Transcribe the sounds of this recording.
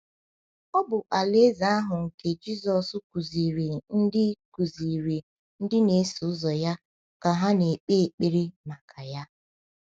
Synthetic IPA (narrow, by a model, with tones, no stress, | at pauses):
ɔ˦bʊ˨ʔa˨le˦za˨a˦ɦʊ˨ŋ̩˨ke˨d͡ʒi˦zɔ˨sʊ˦ku˨zi˨ɾe˨n̩˦dɪ˦ku˨zi˨ɾe˨ | n̩˦dɪ˦ne˨˦sʊ˨ʊ˦zɔ˨ja˦ | ka˨ɦa˦ne˨k͡pe˦˨k͡pe˦ɾe˦ma˨kʰa˨ja˦